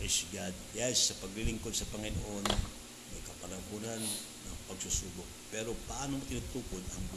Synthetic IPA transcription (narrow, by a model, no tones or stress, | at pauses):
ʔɛsɡad̪̚jasːɐpɐɡlɪlɪŋkod̪sɐpɐŋɪno̰ʔo̞n | mɐjkɐpɐlɐɦunanː | ɐŋpɐɡsusuːɡʊk̚pɛɾopɐʔaːnoʔɪnʊt̪uːkod̪ɐŋb